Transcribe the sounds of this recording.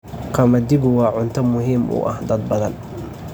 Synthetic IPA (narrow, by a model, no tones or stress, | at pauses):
qʰɑmɐd̪ɪɣʊwɑːʕʊnt̪ʰɐmʊɦiːmʔʊ̰ːʔɐ̰hd̪ɐd̪̚bɐðɐn